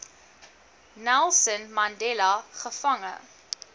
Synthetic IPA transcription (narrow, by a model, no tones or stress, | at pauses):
nælˠsənmɐndɛlɐχəfɐŋə̰